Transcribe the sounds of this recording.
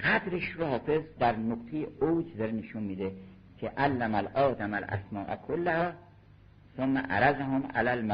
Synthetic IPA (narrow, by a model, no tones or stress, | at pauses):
ɡad̪ɾeʃɾohɒːfe̞zd̪æɾnoqt̪ʰejeowd͡ʒzeɾeneʃunmiːd̪e | kʰeʔalːæmalʔɒːd̪amælʔæ̰smɒːʔæ̰kʰolːahɒː | somːæ̰ʔaɾæzaɦomʔa̰lælma